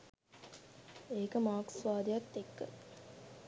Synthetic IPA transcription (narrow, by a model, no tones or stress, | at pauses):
eːkəmaːksʋaːd̪ijɐt̪ːekːə̰